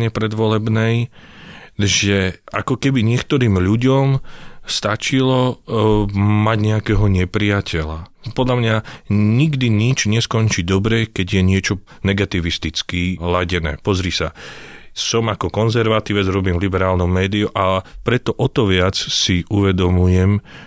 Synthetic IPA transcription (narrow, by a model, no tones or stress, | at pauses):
ɲɛpɾɛd̪ʋɔlɛbnɛj | ʒɛakɔkɛbiɲɪɛkt̪ɔɾiːmʎuɟɔmst̪at͡ʃilɔ | maɟɲɛakɛːɦɔɲɛpɾijacɛla̰pɔd̪ʎamɲaɲiɡd̪iɲid͡ʒɲɛskɔnt͡ʃiːd̪ɔbɾɛkɛɟjɛɲɪɛt͡ʃɔ | nɛɡat̪iʋist̪it͡skiːlaɟɛnɛ̰ːpɔzɾisa | sɔmakɔkɔnzɛɾʋat̪iːʋɛd͡zɾɔbiːmvlibɛɾaːlnɔmmɛːd̪iuʔapɾɛt̪ɔʔɔt̪ɔʋɪat͡ssiʔuʋɛd̪ɔmujɛm